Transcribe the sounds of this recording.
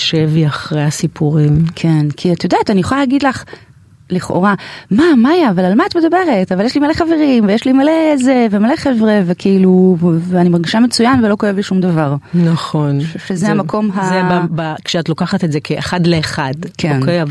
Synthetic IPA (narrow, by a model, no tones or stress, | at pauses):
ʃeviaχʁejhasipʰuʁimkʰenkʰiat̪ajodaːtanijuχaleːɡid̪laχ | liχo̰ʁamamajaːvalalmaatme̞dabe̞ʁe̞tavaljeʃlimaleχaveʁimvejeʃlimalezevemaleχevʁevekʰiiluveanimaʁɡiʃamet͡sujanvelo̞kojevʃumdavaʁnaχo̞nʃuvʃezehamakʰo̞mɦazeabakʃeatlo̞kaχatetzekʰeeχadleːχadkenkev